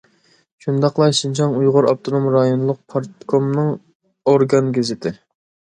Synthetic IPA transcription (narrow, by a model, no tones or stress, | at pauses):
ʃund̪ɑqlˠɑʃint͡ʃʰɑŋujʁʊɾɑp̚t̪ʰonomɾɑjonlˠʊq̚pʰɑɾt̪kʰomnɨŋ | oɾɡɑnɡʲezɪt̪ʰɪ